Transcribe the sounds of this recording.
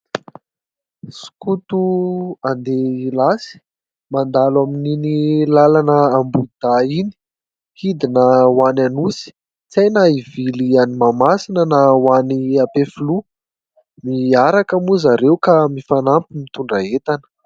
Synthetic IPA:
su̥kut̪uand̪eilasi̥ | mand̪alwamininilalanəːmbud̪̥aini̥ | hid̪inəwananusi̥ | t͡sajnaivilianimamasinənawaniapefulu | miaɾakamuzaɾewkamifanampimit̪uɳɖ͡ʐaet̪anə̥

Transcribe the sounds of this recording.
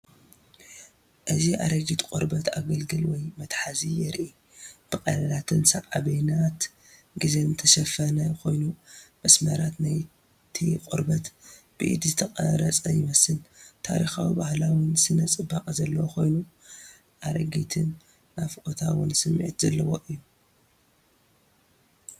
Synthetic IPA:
ʔɨziʔa̰ɾɐɡit̪kʼuɾbɐt̪a̰ɡɐlɡɨlwɔjmɐt̪ħazijɛɾʔi | b̥ɨkʼɐlɐlat̪ʰɨnsɐʕʼaβinat̪ | ɡizezɨt̪ʰɐʃɐfɐnajkʰo̞jnumɐsmɐɾat̪naj | t̪ʰikʼuɾbɐt̪ | b̥ɨʔḭd̪zɨt̪ʰɐqʼɐ̰ɾɐt͡sʼɐjɪmɐsɨnt̪ʰa̰ɾixawibahlawɪnsɨnɐt͡sʼɨbːakʼzɐlːɐwokʰo̞jnu | ʔaɾɐɡit̪ʰɨnː | afkʼot̪ʰawɨ̰nsɨmːḭʕit̪zɐlːɐwoʔɨjːu

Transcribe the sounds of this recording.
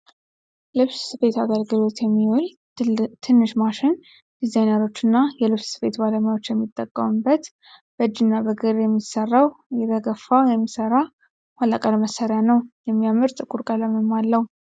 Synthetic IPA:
lɨβssɨfe̞t̪aɡəlɡɨlo̞t̪jɛmːiwol | t̪ʰɨnːɨʃmaʃɪn | d̪̥izajnəɾo̞t͡ʃːɨnːajɛlɨβssɨ̥fet̪baləmajao̞t͡ʃːjɛmːit̪ʼːəkʼːəmɨbːət̪ | b̥əd͡ʒinːabəɡɨɾjɛmːisərːawjɛɾəɡəfːawjɛmːisəɾa | halːakʼəlməsːəɾjanəwjɛmːijamɨɾt̪ʼɨkʼuɾkʼələmɨmalːəhu

